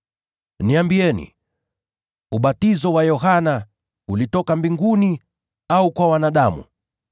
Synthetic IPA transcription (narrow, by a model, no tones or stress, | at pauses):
niambiɛnḭ | uɓatizɔwajɔɦana | ulitɔkambiŋɡuni | aukwawanaɗamṵ